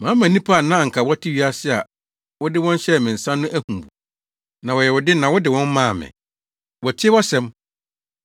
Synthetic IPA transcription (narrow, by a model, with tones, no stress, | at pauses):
mãː˨˦mã˨nĩ˦pʰa˦a˨nã˦˨ŋ̩˨kʰa˨wɔ˦tʰɪ˦ɥi˦a˦sɪ˦a̰˨ | wɔ˦dɪ˦wɔ̃˦n˦ɕɛ˦˨mɪ̃˨n̩˨sã˦nːʊ̃˦ʔæ˦hũ˨bu˨ | nã˨wɔ˨jɛ˨wʊ˨dɪ˦nã˨wɔ˦dɪ˨wɔ̃˦m˦mã˦˨mɪ̰̃˨ | wɔ˨tʰɪ˦wɔ˦sɛ̃˨˦m